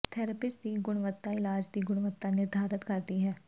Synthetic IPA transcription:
t̪ʰɛːɾəpɪsʈd̪iːɡʊɽ̃ʋət̪ːaɪlaːd͡ʒd̪iːɡʊɽʋət̪ːanɪɾd̪ʱaːɾət̪kəɾd̪iːɦɛː

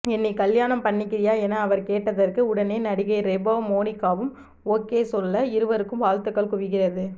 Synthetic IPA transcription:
ɛnːɛkɐljaːnɐmpɐɳːɪkːɪɾɪjaːɛnɐːʋɐɾkeːʈːɐðɐrkɯʊɽɐneːnɐɽɪɣɐɪɾɛboːmoːnɪkːaːʋɯm | oːkːeːsɔlːɐɪɾɯʋɐɾɯkːɯmʋaːlt̪ːɯkːɐɭkʊʋɪɣɪrɐðɯ

